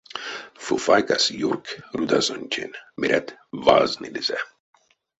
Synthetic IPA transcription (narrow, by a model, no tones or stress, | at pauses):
fufajkasjurkɾud̪asonʲt͡ʃḛnmiɾʲʔɛt̪va̰znid̪izɛ